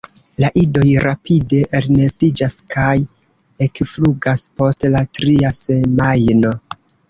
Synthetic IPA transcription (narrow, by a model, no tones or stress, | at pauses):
laʔido̞jɾapʰide̞ʔːɾne̞stid͡ʒaskʰaj | e̞kfluɡaspo̞stlatɾiase̞majno̞